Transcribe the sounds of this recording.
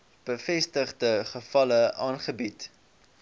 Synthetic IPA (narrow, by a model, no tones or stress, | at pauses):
b̥əfɛstəχdəχəfɐləʔɑːnχəbit